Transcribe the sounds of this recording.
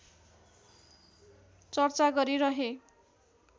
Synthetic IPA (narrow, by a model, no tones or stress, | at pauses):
t͡sʌrt͡saɡʌɾiɾʌɦe